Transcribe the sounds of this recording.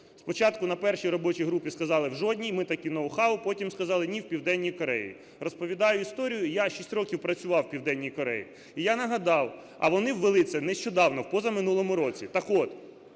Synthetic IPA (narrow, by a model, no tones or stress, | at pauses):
spɔt͡ʃɑt̪kʊnɐpɛrʃijɾɔbɔt͡ʃijɦɾupʲiskɐzɑlˠɪwʒɔdʲnʲijmɪt̪ɐkʲinɐʊxɑʋʊpɔtʲimskɐzɑlˠɪnʲiwpʲiwd̪ɛnʲːijkɔɾɛjḭ | rɔspɔʋʲid̪ɑjʊist̪ɔɾʲijʊjaʃisʲtʲrɔkʲiwpɾɐt͡sʲʊʋɑwpʲiwd̪ɛnʲːijkɔɾɛ̰jḭ | ijanɐɦɐd̪ɑw | ɐ̰ʋɔnɪwʋelˠɪsʲɛnɛʃt͡ʃɔd̪ɑwnɔwpɔzɐmɪnulˠɔmʊɾɔt͡sʲit̪ɐkɔt̪